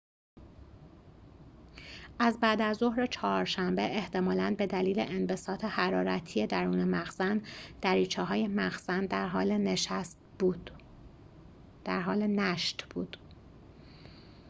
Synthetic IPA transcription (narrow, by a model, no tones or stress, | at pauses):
ʔæzbæːd̪æzːo̞hɾe̞t͡ʃʰɒːɾʃæmbe̞ʔeht̪ʰe̞mɒːlænbe̞d̪æliːle̞̰ʔenbe̞sɒːt̪ʰe̞hæɾɒːɾæt̪ʰije̞d̪æɾuːnemæxzænd̪̥æɾiːt͡ʃʰɛːɦɒːje̞mæxzænd̪æɾɦɒːleneʃæst̪bud̪ | d̪̥æɾɦɒːle̞næʃt̪b̥ṵːd̪̥